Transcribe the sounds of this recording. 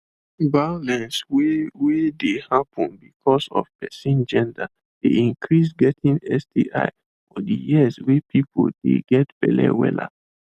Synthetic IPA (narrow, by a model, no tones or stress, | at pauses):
balɛ̃nswwedehapʰɔ̃nbikʰɔsɔ̰fpɛsĩnd͡ʒɛ̃nda | d̥eĩŋkʰɹisɡɛtʰĩnɛsdiʔa̰ɪ | fɔdḭjiswepʰipʰo̰ldḛɡɛtb̥ɛ̰lɛ̰wɛ̰la̰